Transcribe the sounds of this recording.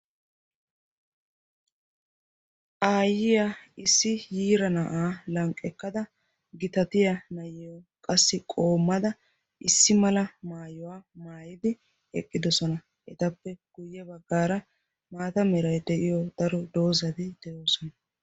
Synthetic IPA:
ʔaːjɪjaɪsːɪjiːɾɐnɐʔaːlɐŋkʼːɛkːɐd̪ɐ | ɡɪt̪ɐt̪ɪjɐnɐjɛjɔkʼɐsːɪkʼo̞ːmːɐd̪ɐ | ʔɪsːɪmɐlɐmaːjɔwaːmaːjɪd̪ɪ | ɛ̰kʼːɪd̪ɔsɔnɐ | ʔɛt̪ɐpːɛɡ̥ʊjːɛbɐɡːaːɾɐ | maːt̪ɐmɛɾɐjd̪ɛʔɪjɔd̪̥ɐɾɔd̪o̞ːzɐd̪ɪd̪̥ɛjo̞ːsɔnɐ

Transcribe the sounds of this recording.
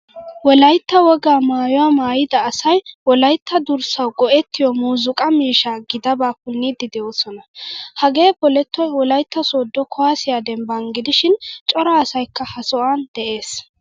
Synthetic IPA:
wɔlɐjt̪ːɐwɔɡaːmaːjɔwaːmaːjɪd̪ɐːsɐjwɔlɐjt̪ːɐd̪ʊɾsɐwɡɔʔɛt̪ːɪjɔmuːzʊkʼɐmiːʃaːɡɪd̪ɐbaːkʊnːid̪ɪd̪ɛjoːsɔnɐhɐɡe̞ːbɔlɛt̪ːɔjwɔlɐjt̪ːɐsoːd̪ːɔkʰɔwaːsɪjaːd̪ɛmbɐŋɡɪd̪ɪʃɪnt͡ʃʼɔɾaːsɐjkːɐhɐsɔʔand̪̥ɛʔe̞ːs

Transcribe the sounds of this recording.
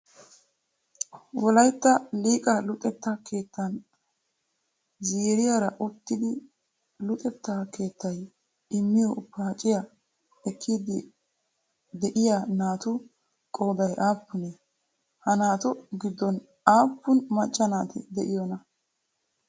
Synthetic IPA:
wɔlɐjt̪ːɐliːkʼɐlʊt̪ʼɛt̪ːɐke̞ːt̪ːɐn | ziːɾɪjaːɾɐʔʊt̪ːɪd̪ɪ | lʊt̪ʼɛt̪ːake̞ːt̪ːɐj | ɪmːɪjɔpːaːt͡ʃʼːɪjɐ | ɛkʰːiːd̪ɪ | d̪ɛʔɪjanaːt̪ʊ | kʼo̞ːd̪ɐjʔaːpːʊnɛ | hɐnaːt̪ʊɡɪd̪ːɔn | aːpːʊnmɐt͡ʃʼːɐnaːt̪ɛ̰d̪ɛʔɪjɔnɐ

